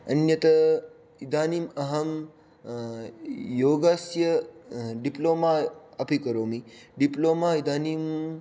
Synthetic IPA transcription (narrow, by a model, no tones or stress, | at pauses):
ɐnjɐt̪ɐ | id̪aːnimɐɦɐm | joːɡasjɐɖiploːmaːɐpikɐɾoːmiɖiploːmaːid̪ʱaːnim